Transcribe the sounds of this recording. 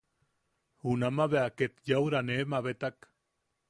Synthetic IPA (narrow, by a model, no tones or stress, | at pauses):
hunamaβeaket̪jawɾanemaβet̪ak